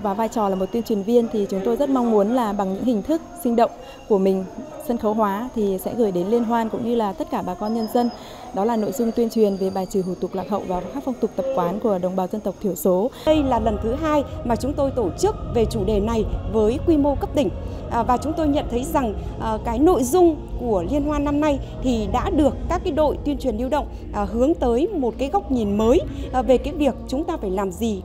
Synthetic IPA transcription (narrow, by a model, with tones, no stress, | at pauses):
vaː˨˩vaː˧jt͡ɕɔ˨˩laː˨˩mo˨˩t̪wi˧ənt͡ɕwi˨˩ənvi˧ənt̪ʰi˨˩t͡ɕʊ˨˦ŋ͡mt̪o˧jzə˦˥t̚ma˧wŋ͡mmu˨˦ənlaː˨˩ɓa˨˩ŋɲɨ̰˧˥ŋhï˨˩ŋ̟t̪ʰɨ˦˥k̚sï˧ŋ̟ɗə̰˧˨wŋ͡m | ku˧˩əmï˨˩ŋ̟sə˧nxə˨˦wɦwaː˨˦t̪ʰi˨˩sɛ̰˧˥ɣəː˧˩jɗe˨˦nli˧ənɦwaː˧nkʊ̰˧˥ŋ͡mɲɨ˧laː˨˩t̪ə˦˥t̚kaː˧˩ɓaː˨˩kɔ˧nɲə˧nzə˧n | ɗɔ˨˦laː˨˩no̰˧˨jzʊ˧ŋ͡mt̪wi˧ənt͡ɕwi˨˩ənve˨˩ɓaː˨˩jt͡ɕɨ˨˦ɦṵ˧˩t̪ʊ˨˩k̚laː˨˩ɦhə̰˧˨wvaː˨˩xaː˦˥k̚fa˧wŋ͡mt̪ʊ˨˩k͡p̚t̪ə˨˩p̚kwaː˨˦nku˧˩əɗə˨˩wŋ͡mɓaː˨˩wzə˧nt̪ə˨˩wk͡p̚t̪ʰi˧˩əwso˨˦ɗə˧jlaː˨˩lə˨˩nt̪ʰɨ˨˦ɦaː˧jmaː˨˩t͡ɕʊ˨˦ŋ͡mt̪o˧jt̪o˧˩t͡ɕɨ˦˥k̚ve˨˩t͡ɕu˧˩ɗe˨˩na˨˩jvəː˨˦jkwi˧mo˧kə˦˥p̚t̪ï˧˩ŋ̟˨˩ | vaː˨˩t͡ɕʊ˨˦ŋ͡mt̪o˧jɲə̰˧˨nt̪ʰə˨˦jza˨˩ŋ˨˩ | kaː˨˦jno̰˧˨jzʊ˧ŋ͡mku˧˩əli˧ənɦwaː˧na˧mna˧jt̪ʰi˨˩ɗa̰ː˧˥ɗɨ˨˩əkːaː˦˥kːaː˨˦jɗo̰˧˨jt̪wi˧ənt͡ɕwi˨˩ənʔi˧əwɗə̰˧˨wŋ͡m | ɦɨ˨˦əŋt̪əː˨˦jmo˨˩t̚kaː˨˦jɣa˦˥wk͡p̚ɲi˨˩nməː˨˦jve˨˩kaː˨˦ɗi˨˩ək̚t͡ɕʊ˨˦ŋ͡mt̪aː˧faː˧˩jlaː˨˩mzi˨˩